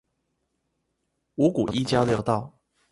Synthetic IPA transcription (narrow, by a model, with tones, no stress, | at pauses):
u˧˦ku˨˩ʔi˥t͡ɕja˥˦ʊljɑ˥˧ʊt̪ɑ˥˩ʊ